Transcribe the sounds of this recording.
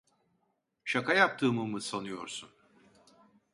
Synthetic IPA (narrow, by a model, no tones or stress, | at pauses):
ʃakʰajap̚t̪ʰɯːmɯmɯsanɯjo̞ɾsun